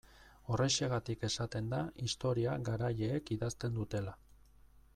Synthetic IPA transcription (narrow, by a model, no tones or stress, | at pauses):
o̞re̞ʃeɣat̪ike̞sat̪e̞nd̪aist̪o̞ɾiaɡaɾajeːkiðast̪e̞nd̪ut̪e̞la